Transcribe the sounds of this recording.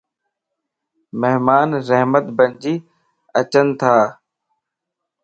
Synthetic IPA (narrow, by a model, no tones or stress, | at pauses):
meɦmaːnɾəɦmət̪bəɲd͡ʒiː | ət͡ʃənt̪ʰaː